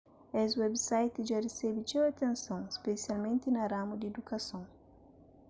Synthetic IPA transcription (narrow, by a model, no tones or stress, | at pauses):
ɛswɛbsajt̪ɪʒaresɛbɪt͡ʃewɐt̪ẽnsɐ̃w̃espesialmẽnt̪ɪnɐɾamud̪ɪed̪ukɐsõw̃